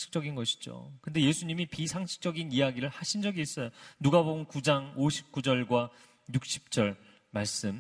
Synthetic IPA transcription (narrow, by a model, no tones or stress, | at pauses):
ɕʰi̥k̚t͡ɕ͈ʌɡinɡʌɕʰi̥d͡ʑo̰kɯnde̞je̞sʰuɲimipisʰaŋɕʰi̥k̚t͡ɕ͈ʌɡinijaɡiɾɯɭhaɕʰind͡ʑʌɡiːs͈ʌjonuɡabonkud͡ʑaŋoɕʰi̥p̚k͈ud͡ʑʌɭɡwa | juk̚ɕ͈ʰi̥p̚t͡ɕ͈ʌɭ | maɭs͈ɯm